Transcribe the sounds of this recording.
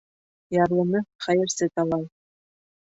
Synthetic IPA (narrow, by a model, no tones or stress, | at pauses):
jɑrlˠɤ̆nʲɤχæjɘ̆rsʲet̪ɑlˠɑj